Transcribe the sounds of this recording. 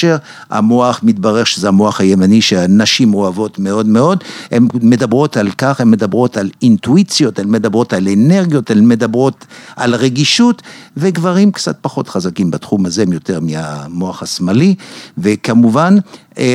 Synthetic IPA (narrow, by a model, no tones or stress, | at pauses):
ʃeʁ | a̰moaχmit̪̚baʁeʁʃezeamoaχhajemaniʃeanaʃimoavo̞t̪meo̞d̪meo̞d̪hemːe̞d̪abʁo̞talkaχemːed̪abʁo̞t̪alint̪uit͡sjo̞t̪emːed̪abʁo̞taleneʁɡjo̞tamːe̞dabʁo̞t̪ʔalʁeɡiʃut̪veɡvaʁimkt͡sa̰t̪̚paχo̞t̪χazakimbat̪χumazemjo̞t̪eʁmiamoaχasmalivekamuvan